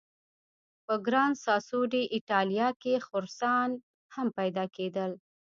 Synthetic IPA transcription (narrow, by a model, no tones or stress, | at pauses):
pəɡɾɑnsɑsuɖiʔɪʈɑlijɑkexʊɾsɑn | hampajd̪ɑked̪əl